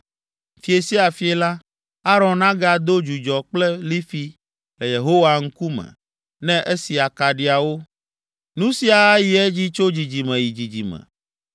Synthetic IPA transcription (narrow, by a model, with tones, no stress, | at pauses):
fi˨e˨si˦a˨fi˨e˨la˦ | a˦ɾɔ̃˨nnã˦ɡa˨d̪o˦d͡ʒu˨d͡ʒɔ˨k͡plɛ˦li˦fi˦ | lɛ˨je˨ɦo˦wa˨ŋ̩˦ku˦mɛ̰̃˨ | nɛ̃˦ʔe˦si˨a˨ka˨ɖi˨˦a˨wo˦ | nũ˦si˦a˨˦ji˨ɛ˦d͡ʑi˦t͡ʃo˦d͡ʑi˨d͡ʑi˨mɛ̃˨ji˨d͡ʑi˨d͡ʑḭ˨mɛ̰̃˨